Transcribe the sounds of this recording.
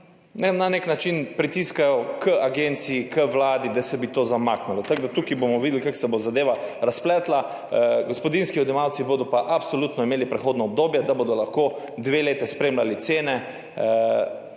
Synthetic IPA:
nɛnaneknat͡ʃinpɾit̪iskajɔkʰəaɡent̪siːkəʋlaːd̪id̪asɛbit̪oːzamaːknalɔt̪aɡd̪at̪ukibomɔʋid̪ʲɛlikaksɛbozad̪eːʋaɾasplɛːt̪la | ɡospɔd̪inskiɔd̪ɛmawt̪siboːd̪ɔpaʔapsoluːt̪nɔimeːlipɾɛxoːd̪nɔɔb̚d̪oːbjɛd̪abod̪ɔlaxkoː | d̪ʋeːleːt̪ɛspɾeːmlalit̪seːnɛ

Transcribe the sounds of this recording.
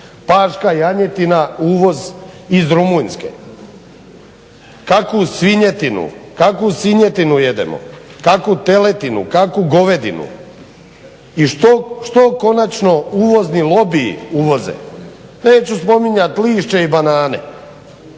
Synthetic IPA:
paːʃkajaɲe̞t̪inauːʋo̞zizɾumujnʲskḛ | kakusʋiɲet̪inṵkakusʋiɲet̪inujed̪ḛmo̰kakut̪elet̪inṵkakuɡo̞ʋed̪ḭnṵ | iʃt̪oʃt̪oko̞nat͡ʃno̞uːʋo̞znilˠo̞bḭːuːʋo̞zḛneːt͡ɕuspo̞miɲat̪liːʃt͡ʃeibanaːnḛ

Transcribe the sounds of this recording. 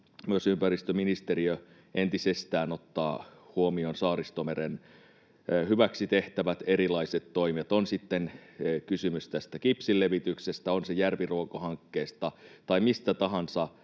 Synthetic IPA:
myøsympærist̪øminist̪eɾiø | ʔent̪isest̪æːnot̪ːɑ̰ːhuomionsɑːɾist̪omeɾen | hyʋæksit̪eht̪æʋæt̪eɾilɑiset̪toimet̪onsit̪ːenkysymyst̪æst̪ækipsilːeʋit̪yksest̪æonsejærʋiruokohɑŋkːeːst̪ɑt̪ɑimist̪æt̪ɑɦɑnsɑ

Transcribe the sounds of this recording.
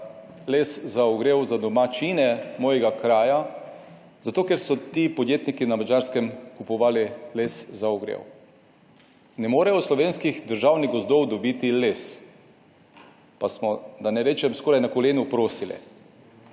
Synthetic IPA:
leszaɔɡɾeːwzad̪ɔmat͡ʃinɛmɔːjɛɡakɾaːja | zat̪oːkɛɾsɔt̪iːpɔd̪jeːt̪nikinamad͡ʒaɾskɛmkupɔʋaːlileszaɔɡɾḛw | nɛmoːɾɛjɔslɔʋeːnskixd̪əɾʒaːwniɡɔzd̪ɔwd̪ɔbiːt̪iles | pasmɔd̪anɛɾeːt͡ʃɛmskoːɾajnakɔleːnupɾoːsilɛ̰

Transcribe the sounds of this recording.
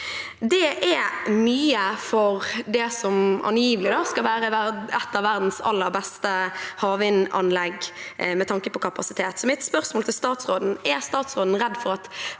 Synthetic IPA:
d̪ɛɛmyːəfɔɾd̪ɛsɔmʔɑ̰njiːʋəlɪd̪ɑskɑlʋæːɾəʋædɛt̪ːɑʋæʁd̪n̩sɑ̰lːəɾbɛst̪əhɑːʋɪnɑnlɛɡmɛt̪ʰɑŋkəpʰɔkʰɑpɑsɪt̪ʰeːt̪sɔmɪt̪spœʁsmoːlt̪ɪlst̪ɑːt̪sʁoːd̪n̩ɛst̪ɑːt̪sʁoːd̪n̩ɾɛd̪ːfɔɾɑt̪

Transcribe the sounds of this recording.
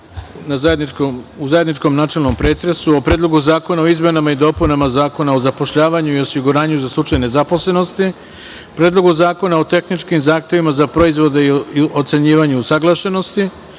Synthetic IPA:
nazajed̪nikomuzajed̪nit͡ʃko̞mnaːt͡ʃe̞lˠno̞mpɾe̞ːt̪ɾe̞suopɾeːd̪lˠo̞ɡuzaːko̞nao̞izme̞namaid̪o̞punamazaːko̞naozapo̞ʃʎaːʋaɲuio̞siɡuɾaːɲuzaslˠut͡ʃajne̞zapo̞slˠe̞no̞st̪i | pɾeːd̪lˠo̞ɡuzaːko̞nao̞t̪e̞xnit͡ʃkimzaːxt̪e̞ʋimazapɾo̞izʋo̞d̪e̞iio̞t̪se̞ɲiːʋaɲuusaɡlˠaʃe̞no̞st̪i

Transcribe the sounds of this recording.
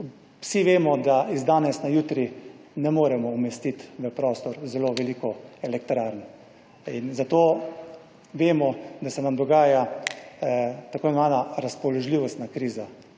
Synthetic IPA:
wsiʋeːmɔd̪aizd̪aːnɛsnajuːt̪ɾinɛmoːɾɛmɔumɛst̪it̪ʋəpɾɔːst̪ɔɾzɛloʋɛliːkɔɛlɛk̚t̪ɾaɾn | inzat̪oː | ʋeːmɔd̪asɛnamd̪ɔɡaːja | t̪akoːnmaːnaɾaspɔlɔʒliʋɔst̪nakɾiːza

